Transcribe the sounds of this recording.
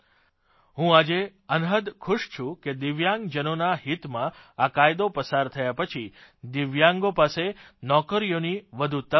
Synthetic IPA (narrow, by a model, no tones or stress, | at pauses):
ɦũad͡ʒeənɦəd̪kʰʊʃt͡ʃʰũked̪ɪʋjãŋɡd͡ʒənonaɦit̪mãakajd̪opəsaɾt̪ʰəjapət͡ʃʰid̪ɪʋjãŋɡopasenɔkəɾijoniʋəd̪ʱut̪ə